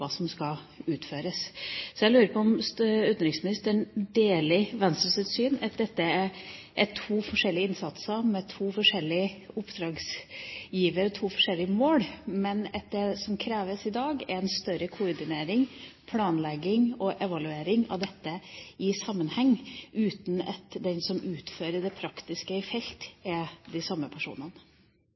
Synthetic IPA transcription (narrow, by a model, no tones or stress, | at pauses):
ɑːsɔmskɑ | ʉːt̪føːɾəssɔjæɪlʉːɾəpʰɔɔmsʉːt̪nɾɪŋsmɪnɪst̪əɳd̪eːlɪʋɛnst̪ɾəsət̪syːnɑt̪̚d̪ɛt̪ːəæ | ʔɛʈʰuːfɔʂɛlːɪəɪnsɑt̪səmɛt̪ʰuːfɔʂɛlːɪəʊpːd̪̥ɾɑːɡsjiːʋəɾɔt̪ʰuːfɔʂɛlːɪəmoːlmɛnɛt̪̚d̪ɛsɔmkʰɾeːʋəsɪd̪ɑːɡɛ̰ɾɛnst̪œɾəkʰʊɔɾɖ̪ɪneːɾɪŋpʰlɑːnlɛɡɪŋɔʔɛʋɑlʉeːɾɪŋɑ̰ʋd̪ɛt̪ːəɪsɑmːənhɛŋːʉːt̪n̩ɑ̰t̪d̪ɛnsɔmʔʉːt̪føːɾəɖɛpʰɾɑkt̪ɪskəɪfɛlt̪ɛd̪ɪsɑmːəpʰæʂṵːnɑnə